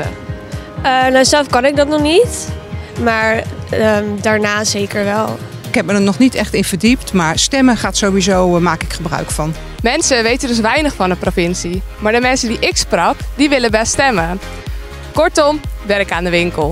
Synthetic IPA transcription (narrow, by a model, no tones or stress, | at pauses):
ənawzɛlˠfkɑnɪk̚dɑtnɔχnitmaːɹəmdaːɹnaːzejkəɹʋɛlˠ | ɪkɦɛp̚mənənɔχnitɛχtɪnv̥əɹdiptmaːɹstɛməχaːtsowʋizowmaːkɪkχəbrœ̰ɥkfɑn | mɛnsəʋejtəndɵs̬ʋɛjnəχfɑndəprofɪnsimaːɹdəmɛnsədiʔɪksprɑkdiʋɪləbɛlstɛmə | kɔɹtɔmʋɛɾɪkaːndəʋɪŋkəlˠ